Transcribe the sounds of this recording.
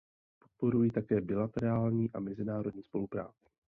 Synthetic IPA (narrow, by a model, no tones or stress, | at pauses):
po̞t̪̚po̞ɾujit̪akɛːbɪlat̪ɛɾaːlɲiːʔamɛzɪnaːɾo̞dɲiːspo̞lupɾa̰ːt͡sɪ̥